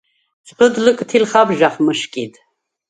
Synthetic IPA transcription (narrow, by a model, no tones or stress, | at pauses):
t͡sʼqəd̪lɨkʼt̪ʰilχabʒaχməʃkʼid̪